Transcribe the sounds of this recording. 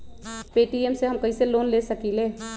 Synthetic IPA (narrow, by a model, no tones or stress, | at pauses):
peʈiemseɦəmkəiselonlesəkile